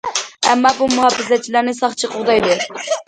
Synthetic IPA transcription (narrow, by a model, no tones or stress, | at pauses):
ɛmːɑbumuhɑfɪzɛt͡ʃʰːilæɾnɪsɑχt͡ʃʰɨqʰʊʁd̪ɑjd̪ɨɾ